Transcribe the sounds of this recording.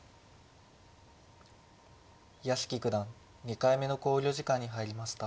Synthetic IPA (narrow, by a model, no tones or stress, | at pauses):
jasɨ̥kʲikɯ̟d̪ãŋ | ɲikaime̞no̞ko̞ːɾʲo̞ːʑikãɲ̟ːiɦaiɾʲimaɕi̥t̪a